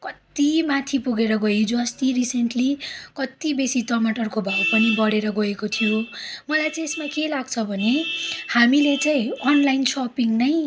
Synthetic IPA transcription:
kʌt̪imãt̪ʰipuɡeɾʌɡʌid͡zuʌst̪iɾiseɳʈlikʌt̪ibesit̪ʌmaʈʌrkobʱawpʌnibʌɽeɾʌɡʌekot̪ʰijomʌlajt͡sãesmakelaɡ̚t͡sʰʌbʱʌnehamilet͡saĩʌnlajnsɔpiŋnʌj

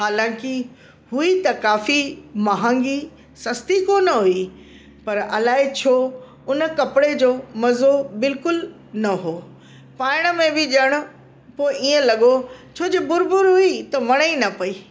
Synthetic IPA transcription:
ɦaːlãːkɪ | ɦuit̪ɐkaːfimɐɦãːŋɡi | sɐst̪ikoːnɦui | pɐɾɐ̰laːɪt͡ɕʰoː | ʊnə̆kɐpɪɽed͡ʑoːmɐzobɪlkʊl | nɐɦoː | paːɪɽ̃ə̆mẽbɪʄɐɽ̃ʊ̆ | poːɪʔiːə̃lɐɠot͡ɕʰoːd͡ʑeːbʊɾbʊɾɦuit̪ɐʋɐɽ̃əinɐpɐiː

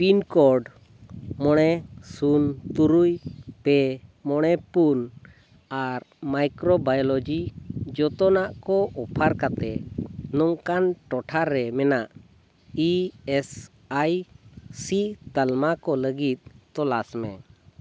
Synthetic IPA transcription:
pinkɔɾɖ | mɔɽ̃ɛsunt̪uɾujpɛmɔɽ̃ɛpun | aɾmajkɾɔbajɔlɔd͡ʒid͡ʒɔt̪ɔnaʔkɔʔɔpʰaɾkat̪ɛnɔŋkanʈɔʈʰaɾːɛmɛnaʔ | iɛs | ajsit̪əlmakɔləɡit̪̚t̪ɔlasmɛ̃

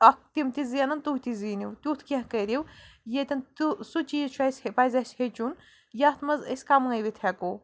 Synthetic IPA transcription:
ɐk̚t̪imt̪iziɐnɐnt̪uht̪iziːniwt̪ʲut̪ʰkʲɐ̃ɦkəɾʲiwjet̪ʲɐnt̪usut͡ʃiːzt͡ʃʰɐsʲhepazɐshet͡ʃun | jat̪ʰmɐzə̰sʲkamŋəjʋit̪ʰɛkoː

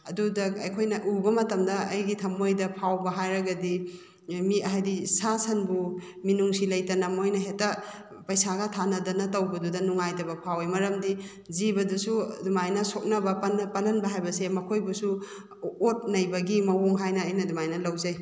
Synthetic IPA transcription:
ɐdudɐɐjkʰojnɐʔubɐmɐtɐmdɐːjɡitʰɐmojdɐpʰawbɐɦajɾɐɡɐdi | miɐɦajdisasɐnbu | minuŋsilɐjtɐnɐmojnɐɦetɐ | pɐjsaɡɐtʰanɐdɐnɐtɐwbɐdudɐnuŋajtɐbɐpʰawimɐɾɐmdi | zibɐdusudumajnɐsok̚nɐbɐppɐnɐnbɐɦajbɐsemɐkʰojbusu | ot̚nɐjbɐɡimɐwoŋɦajnɐːjnɐdumajnɐlɐwzɐj

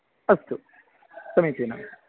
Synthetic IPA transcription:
ɐst̪u | sɐmiːt̪iːna̰

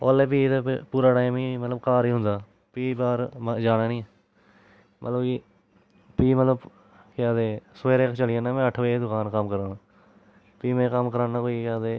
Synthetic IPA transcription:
oːleːp̬iːt̪eːpuːɾaːʈaːmĩːmət̪ləbkaːɾiːɦʊnd̪aː | piːbaːɾmd͡ʒaːnaːnĩː | mʔə̰t̪ləbiː | piːmət̪ləb | kɪaːd̪eːseːɾeːkt͡ʃəlɪjãːnãːmɛ̃ːəʈʰʋeːd̪ʊkaːnkəmkəɾaːnaː | piːmẽːkəmkəɾãːnãkoːikaːd̪eː

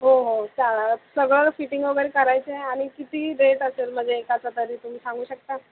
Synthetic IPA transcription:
ɦoɦot͡salasəɡɭəɾfiʈiŋɡʋəɡəɾekəɾajt͡seaɽ̃ikit̪iːɾeʈəselm̤əd͡zeːkat͡sat̪əɾiːt̪um̤iːsãŋɡuːɕək̚t̪a

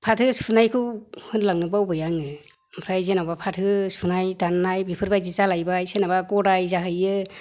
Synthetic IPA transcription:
pʰatʰɯsʰunajkʰɯwhɯnlaŋnɯbawbɯjaŋɯ | pʰɾajzenabapʰatʰɯsʰunajdanːajbipʰɯɾbajzizalajbajsenabakɔɾajzaɦɯjɯ

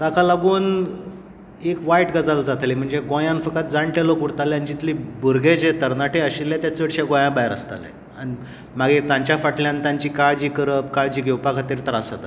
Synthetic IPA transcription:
t̪akalaɡuːn | ekʋaiʈɡəd͡zald͡zat̪lim̤əɳd͡zeɡõjãnfəkət̪̚d͡zaɳʈelokuɽt̪aleanid͡ʑit̪libuɾɡed͡ʑet̪əɾnaʈeəɕilat̪jat͡səɽɕaɡõjãbaeɾa̰st̪a̰lḛ | ani | maɡet̪ãɲt͡ɕjafaʈʰljãnt̪aɲt͡ɕiːkaɭd͡ʑiːkəɾəpkaɭd͡ʑiːɡʱewpakʰat̪iːɾt̪əɾasat̪

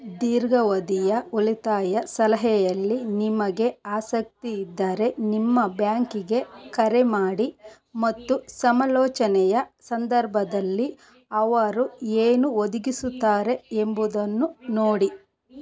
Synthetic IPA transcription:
d̪iːɾɡɐʋɐd̪ijɐulit̪aːjɐsɐlɐɦɛjɐlːinimɐɡe̞aːsɐk̚t̪iːd̪ːɐɾe̞nimːɐbjaːŋkiɡe̞kɐɾemaːɽi | mɐt̪ːusɐmɐlɔːt͡ʃɐnɛjɐsɐnd̪ɐɾbʱɐd̪ɐlːi | ɐʋɐɾueːnuod̪iɡisut̪ːaːɾe̞embud̪ɐnːunoːɽi

